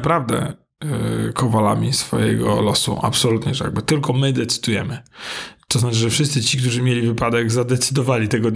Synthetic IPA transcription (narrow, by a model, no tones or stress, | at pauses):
pɾavd̪ɛ̰ | kʰɔvala̰mʲisfɔ̰jɛ̰ɡɔ̰lɔsṵʔa̰psɔlut̪ɲɛʐja̰ɡ̚bɘt̪ɘlkɔmɘd̪ɛt̪sɘ̥d̪ujɛmɘt̪ɔznat͡ʂɨʐɛfʂɘst̪sɘt͡ɕikt̪uʐɘmʲjelʲivɘpad̪ɛɡzad̪ɛt̪sɘd̪ɔvalʲit̪ɛɡɔ